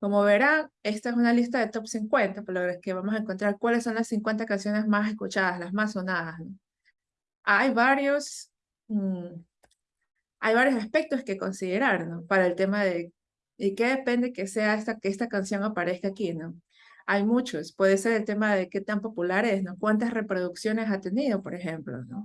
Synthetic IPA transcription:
ko̞moβe̞ɾane̞st̪aes̬unalist̪aðet̪o̞psiŋkwe̞nt̪apolaβeɾke̞βamo̞s̬aeŋkont̪ɾaɾkwalesːo̞nlasːiŋkwe̞nt̪̬akansjo̞ne̞zmase̞skut͡ʃað̞aslazmasːo̞naðasno̞ | ajβaɾjos̩ | ajβaɾjo̞saspe̞k̚t̪o̞ske̞ko̞nsiðe̞ɾaɾno̞paɾaelt̪e̞maðe̞ | ike̞ðe̞pe̞nd̪e̞ke̞se̞aest̪akeest̪akansjo̞ŋapaɾe̞skaːkino̞ | ajmut͡ʃo̞spwe̞ðese̞ɾe̞lt̪e̞maðe̞ke̞t̪ampo̞pulaɾe̞sno̞kwant̪̬asre̞pɾo̞ð̞uksjo̞ne̞s̬at̪e̞niðo̞po̞ɾe̞xe̞mplo̞̰no

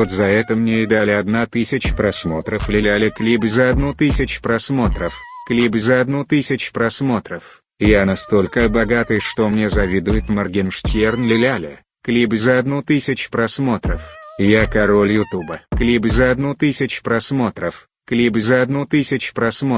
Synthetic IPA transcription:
vot̪zɐɛt̪əmnʲeɪd̪alʲɪɐd̪nat̪ɨsʲɪt͡ɕpɾɐsmo̞t̪ɾəflʲɪlʲalʲɪklʲibzəɐd̪nut̪ɨsʲɪt͡ɕpɾɐsmo̞t̪ɾəfklʲibzəɐd̪nut̪ɨsʲɪt͡ɕpɾɐsmo̞t̪ɾəf | ɪjanɐst̪o̞lʲkəbɐɡat̪ɨjʂt̪omnʲezɐvʲid̪ʊjɪt̪mɐrɡʲɪnʂtʲernlʲɪlʲalʲɪ̰ | klʲibzəɐd̪nut̪ɨsʲɪt͡ɕpɾɐsmo̞t̪ɾəfɪjakɐɾolʲjʊt̪ubəklʲibzəɐd̪nut̪ɨsʲɪt͡ɕpɾɐsmo̞t̪ɾəf | klʲibzəɐd̪nut̪ɨsʲɪt͡ɕpɾɐsmo

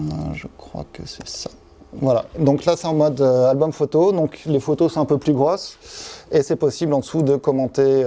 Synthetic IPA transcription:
ʒəkχwa̰kə̰sɛsḁ | vwalad̪ɔ̃klasɛɛ̃mɔd̪øalbɔmfot̪od̪ɔ̃klefot̪osɔ̃ɛ̃pøplyɡʁosesɛpɔsiblɑ̃d̪əsud̪əkɔmɑ̃t̪e

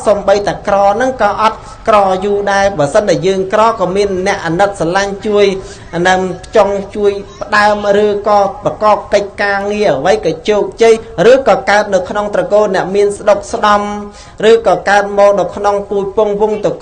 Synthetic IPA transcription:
somɓəjt̪aɛkrɑːnɨŋkɑːʔɑt̪̚ | krɑːjuːɗaɛpɑsənɗajəːŋkrɑːkɑːmiənːɛ̆əʔːanɨt̪̚salaɲt͡ɕuəj | naŋpʰt͡ɕoŋt͡ɕuəjpə̆ɗaəmrɨːkɑːprɑkɑːp̚kəc̚kaːŋiəʔəʋəjkɑːt͡ɕoːk̚t͡ɕəjrɨːkɑːkaət̪̚nɨwkʰnoŋt̪rɑkoːlnɛ̆əʔmiənsəɗok̚sɗɑm | rɨːkɑːkaət̪̚mɔːk̚ɗɑːwkʰnoŋpuːc̚pʊəŋʋuŋt̪ɨ

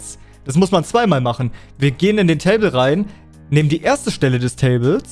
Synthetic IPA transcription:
t͡s | d̥as̬mʊsmant͡sv̥aɪmaːlmaχn̩ | viːɐɡeːənɪndeːntʰɛɪbl̩ʁaɪnː | eːməndiːʔeːɐstəʃtɛlədɛstʰɛːbl̩s

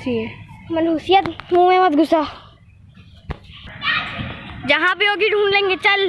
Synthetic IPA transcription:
iɛmɐnuːsijət̪mũːẽmət̪ɡʊsaː | d͡ʒɐɦãbioːɡiɖʱũːnlẽːŋɡet͡ʃɐl

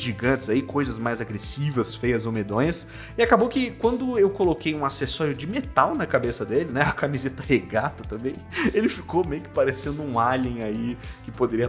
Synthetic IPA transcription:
ʒiɡɐ̃nt͡ʃ̪ɪ̥z̥aikʰojzɐzmajzaɡɾesivɐsfejɐzowmed̪õj̃ɐs | ɪakabowkɪkwɐ̃nd̪ʊewkolokejũasesɔɾjʊd͡ʒɪmet̪awnɐkabesɐd̪elɪnɛɐkamizet̪ɐheɡat̪ɐt̪ɐ̃mbẽj̃elɪfi̥komejʊkɪ̥paɾesẽnd̪ʊũalĩj̃aikɪpod̪eɾiɐ

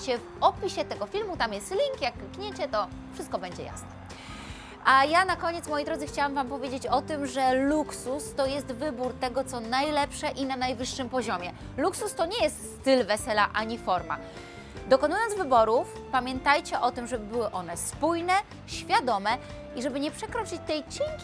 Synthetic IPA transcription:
t͡ɕɛvɔpʲiɕɛt̪ɛɡɔfʲilmut̪amjɛst̪lʲiŋkjakkɲet͡ɕɛt̪ɔ | fʂɘst̪̚kɔbɛɲd͡ʑɛ̰ja̰snɛ | ʔajanakɔɲɛt̪smɔjijd̪ɾɔd̪zɘxt͡ɕawamvampɔvʲjed͡ʑet͡ɕɔt̪ɘmʐɛluksust̪ɔjɛst̪vɘbuɾt̪ɛɡɔt̪sɔnajlɛpʂɛʔinanajvɘʂːɘmpɔʑɔmʲɛ | luksust̪ɔɲɛjɛst̪st̪ɘlvɛsɛlaʔaɲifɔɾma̰ | d̪ɔkɔnujɔnd̪zvɘbɔɾufpamʲjɛnt̪ajt͡ɕɛʔɔt̪ɘmʐɛbɘbɘwɘʔɔn̪ɛspujnɛ | ɕfʲjad̪ɔmɛ | iʐɛbɘɲɛpʂɛkɾɔt͡ʂɘt͡ɕt̪ɛjt͡ɕeŋkʲi

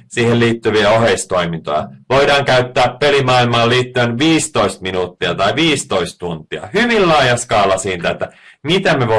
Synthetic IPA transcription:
siːhelliːt̪ːyʋiæo̞ɦeist̪oimint̪o̰jɑ̰ʋojdɑːŋkæyt̪ːæːppelimɑilmɑːliːt̪ːyenʋiːst̪oist̪̚minuːt̪ːiɑt̪ɑiʋiːst̪oist̪t̪unt̪iɑ̰hyʋillɑːjɑskɑːlɑsiːnt̪æet̪ːæmit̪æmeʋo

